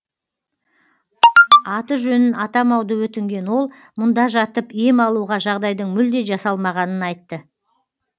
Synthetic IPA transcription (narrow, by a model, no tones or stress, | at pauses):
ɑt̪əʒɵnɪnɑt̪ɑmɑwd̪əwɵt̪ɪŋɡʲe̞nwo̞lˠ | mʊnd̪ɑʒɑt̪əpijɪmɑlˠuʁɑʒɑʁd̪ɑjd̪əɴmʏld̪e̞ʒɑsɑlˠmɑʁɑnənɑjt̪ːə